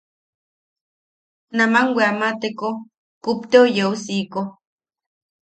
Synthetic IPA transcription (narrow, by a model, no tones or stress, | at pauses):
namaŋwʷeamat̪eko | kupt̪eojeusiko